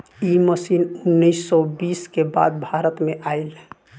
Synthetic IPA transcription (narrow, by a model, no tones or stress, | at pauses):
iməsinʊnːiɪsːɔbiːskeba̰d̪̚bʱaɾət̪meʔail